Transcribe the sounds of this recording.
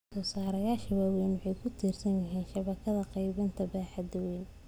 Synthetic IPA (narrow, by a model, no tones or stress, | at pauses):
sɔːsaːɾɐjaːʃɪwaːwɛjnwʊħɑjkʰʊt̪ʰiːrsɐnjɪɦiːnʃɐβɐkʰɐðɐqɑjβɪnt̪ʰɐbaːħɑd̪ʊwɛːn